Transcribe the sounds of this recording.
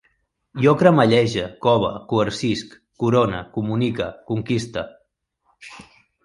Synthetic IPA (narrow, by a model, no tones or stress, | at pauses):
jokɾəməʎɛʒəkɔβ̞əkuəɾsiskːuɾonə̰kumunikəkuŋkist̪ə